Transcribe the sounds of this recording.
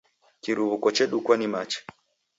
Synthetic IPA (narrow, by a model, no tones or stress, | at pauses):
kiɾuβukɔt͡ʃɛɗukwanimat͡ʃɛ̥